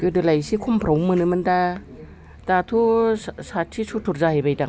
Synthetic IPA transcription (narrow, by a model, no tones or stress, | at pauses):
kɯdɯlajsikʰumpʰɾawmɯnɯmɯnda | tatʰusat̚sʰisutʰuɾzahajbajdaŋ